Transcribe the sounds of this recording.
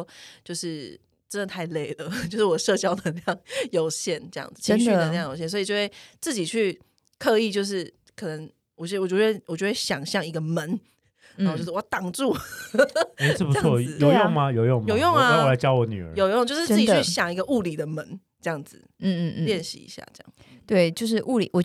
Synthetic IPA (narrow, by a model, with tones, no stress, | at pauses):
t͡ɕjo˥˧ʊʂɻ̩˥˩ | ʈ͡ʂə˦nd̪ə˨˩t̪ʰa˥˧ɪle˥˩ɪdə˩t͡ɕjo˥˧ʊʂɻ̩˥˩wɔ˨˩˦ʂɤ˥˧t͡ɕjɑ˥ʊd̪ə˨˧˥jɑ˥˩ŋjo˨˩ʊɕjɛ˥˩nʈ͡ʂə˥˧jɑ̰˥˩ŋd͡z̩˨˩t͡ɕʰɕy˨də˨˩˧jɑ˥˩ŋjo˨˩ɕjɛ˥˨nswi˨˩t͡ɕjo˧xwe˥˧˩ɪt͡sɹ̩˥˩t͡ɕi˨˩t͡ɕʰy˥˩ | kʰɤ˥˧i˥˧t͡ɕjo˥˧ʊʂ̬ɻ̩˥˩ | kʰɤ˨˩nə˧˦ŋ | wɔ˨˩˥wɔ˨˩jo˧˥we˥˩wɔ˨˩jo˥˧we˥˩ɕjɑ˨˩ŋɕjɑ˥˩ŋi˧˥ɡə˨mə˧˦n˨ | jo˥˧ʂt̪ɑ˨˩ŋʈ͡ʂu˥˩ | e˧˥˩pu˨˥ɔ˥˧zjo˨˩jjo˥˩˨ŋma˧jo˨ʊjʊ˥˩ŋ˨jo˨˩ʊjo˥˩ŋa˨a˥˦wɔ˨˩a˧˦t͡ɕjɑ˦˥ʊwɔ˨˦ny̰˨ə̰˨˦jo˨ʊjo˥˧ŋt͡ɕo˥˧ʊʂɻ̩˥˧t͡s̩˥˩idy˩˥˩ɕjɑ˨˩ŋi˧˥ɡə˧ʔu˥˩li˨˩d̪ə˩mə˧˦n | ʈ͡ʂɤ˥˧jɑ˥˨˩ŋd͡z̩˨˩˥ljɛ˥˨nɕḭ˧˦ḭ˧˥ɕja̰˥˧ʈ͡ʂə˥˧jɑ̰˥˩ŋ˩t̪we˥˩ɪt͡ɕjo˥˧ʊʂ̬ɻ̩˥˩ʔu˥˩li˨wɔ˨˩